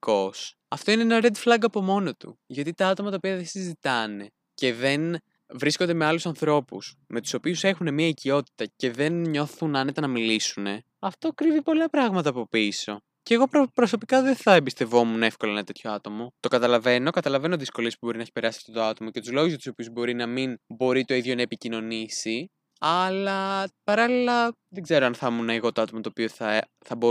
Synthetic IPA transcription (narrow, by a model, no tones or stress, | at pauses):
kos | ɐft̪o̞ineenɐɾe̞d̪flɐɡɐpo̞mo̞no̞t̪ṵʝɐt̪it̪ɐɐt̪o̞mɐt̪ɐopiɐðesizit̪ɐne̞ | ce̞ðe̞n | vɾisko̞nd̪e̞meɐlusɐnθɾo̞pṵsme̞t̪u̥so̞piuse̞xune̞miɐicio̞t̪i̥t̪ɐce̞ðe̞nɲo̞θunɐnet̪ɐnɐmilisune̞ | ɐft̪o̞kɾivipo̞lɐpɾɐɣmɐt̪ɐːpo̞piso̞ | ceɣo̞pɾopɾo̞sopikɐðeθɐembist̪e̞vo̞mune̞fkoloɐenɐt̪e̞t̪ʰço̞ɐt̪o̞mo̞t̪o̞kɐt̪ɐlɐve̞no̞kɐt̪ɐlɐve̞noðisko̞liespuboinɐeçi̥pe̞ɾɐsi̥ɐft̪ot̪oɐt̪o̞mo̞cet̪uzloɣuzjɐt̪usopiuzbo̞ɾinɐminbo̞ɾit̪o̞iðʝo̞nɐepicino̞nisi | ɐlɐpɐɾɐlilɐ | ðeɡze̞ɾoɐnθɐmunɐeɣo̞t̪oɐt̪o̞mɐt̪oːpioθɐ | θɐbo